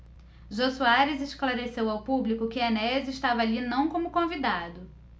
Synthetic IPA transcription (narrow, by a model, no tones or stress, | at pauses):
ʒosuaɾezeʃklaɾesewawpublikʊkɪanɛzɪʃt̪avɐalinɐ̃w̃kõmʊkõvid̪ad̪ʊ